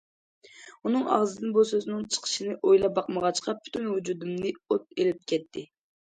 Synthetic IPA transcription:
unɨŋɑ̰ʁzɨd̪ɨnbusøznɨŋt͡ʃʰə̥qʰə̥ʃinɨʔojlˠɑbɑqməʁɑt͡ʃqʰɑpʰy̥t̪ʰynhud͡ʒud̪umnɨot̪̚elɪp̚kʲʰɛt̪ʰːɪ

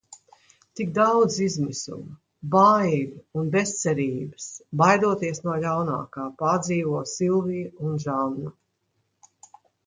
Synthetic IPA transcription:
t̪ikd̪awd̪zizmisṵm | bajɾunbest̪sɛɾiːbɨsbajd̪uɔt̪iɛsnuɔlawna̰ːkaːpad̪ziːvuɔsilˠviːjunʒanːa

